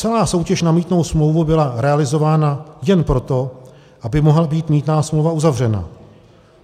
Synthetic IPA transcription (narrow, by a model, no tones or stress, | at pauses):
t͡sɛlaːso̞wcɛʃnamiːt̪no̞wsmlo̞wvubɪlaɾɛalɪzo̞vaːnajɛnpɾo̞t̪o̞ | ʔabɪmo̞ɦlabiːt̪miːt̪naːsmlowvauzavr̝ɛna̰